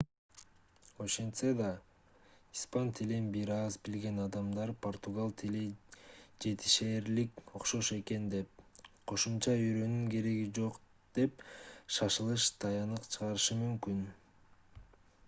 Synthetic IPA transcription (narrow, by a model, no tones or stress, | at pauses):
o̞ʃensed̪ɑ | ispɑnt̪ʰilenbiɾɑzbilɡe̞nɑd̪ɑmd̪ɑɾpʰo̞rt̪uɡalˠt̪ʰile | d͡ʒe̞t̪ʰi̥ʃe̞ɾliko̞qʃo̞ʃe̞ke̞nd̪e̞p̚qʰo̞ʃumt͡ʃɑyɾø̞nyŋɡe̞ɾe̞ɡid͡ʒo̞q | d̪̥e̞p̚ʃɑʃɯlˠɯʃt̪ʰɑjɑnɯqt͡ʃʰɯʁɑɾɯʃɯmymkyn